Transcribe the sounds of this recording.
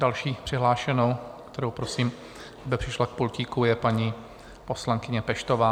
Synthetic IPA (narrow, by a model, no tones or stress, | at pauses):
dalʃiːpr̥ɪɦlaːʃɛno̞wkt̪ɛɾowpɾosiːm | abɪpr̝̥ɪʃlak̚pulciːkujɛpaɲi | po̞slaŋkɪɲɛpɛʃt̪ovaː